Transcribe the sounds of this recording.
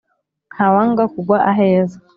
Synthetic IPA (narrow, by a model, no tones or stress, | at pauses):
n̥hawaŋɡakuɡwaʔaɦeːza